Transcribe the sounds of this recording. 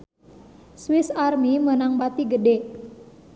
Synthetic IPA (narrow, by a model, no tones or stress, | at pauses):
swisarmimənaŋbat̪iɡəde